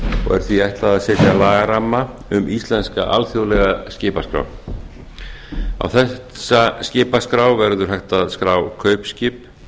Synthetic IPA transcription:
ɔ̰ɣɛ̰ɾ̥θviajht̪laðaðsɛːt̪jalaːɣaɾamːa | ʏmʔist̪lɛnska̰ʔa̰lθjowlɛɣascɪːpaskɾa̰w | a̰wθɛ | sascɪːpaskɾawvɛɾðʏɾ̥ɦajht̪aðskɾaːwkʰœːɥpscɪp

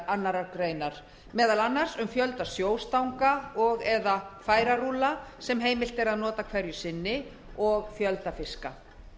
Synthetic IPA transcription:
anːaɾakɾeːjnaɾ̥ | mɛːðalanːar̥sʏmfjœlt̪asjoːwst̪awŋkaɔɣɛðafaːjɾaruːlasɛmɦeːjmɪl̥t̪ɛɾaðnɔːt̪akʰvɛɾjʏsɪnːɪ | ɔɣfjœlt̪afɪska

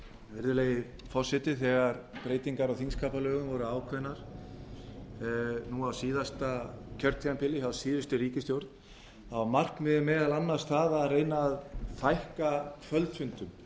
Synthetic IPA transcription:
vɪɾðʏleːjɪ | fɔr̥sɛt̪ɪθɛɣaɾpɾeːjt̪iŋkaɾawθinskʰaːpalœːɣʏmvɔɾʏaːwkʰvœnːaɾ̥ | nuawsiːðast̪acʰœɾt̪ʰianpʰɪlːɪhawsiːðʏst̪ʏɾiːcɪst̪jowɾt̪n | amar̥knmɪðɪmɛːðalanːaɾ̥st̪θaðaðreːjnaːðθajhkakʰvœlt̪fʏnt̪ʏm

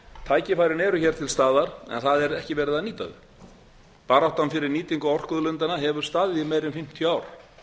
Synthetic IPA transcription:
t̪ʰaːjcɪfajɾɪnɛːɾʏçɛːɾ̥t̪ʰɪlst̪aːðaɾ̥ɛ̰nθaðɛɾɛhcɪvɛːɾɪðaniːt̪a̰ðʏ̰ | paːɾawht̪amfɪɾɪɾniːt̪iŋkaɔr̥kʏðlʏnt̪anaɦɛvʏɾ̥st̪aːðɪɪmɛːjɾɪnfɪm̥t̪ʰjʏaːwɾ

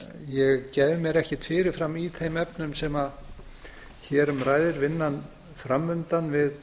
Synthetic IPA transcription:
jɛɣcɛːjvʏmjɛɾɛhcɪt̪fɪːɾɪɾ̥fɾamiθejmɛpnʏmsɛma | çɛːɾʏmɾaːjðɪɾvɪnːan | fɾamːʏnt̪anvɪð

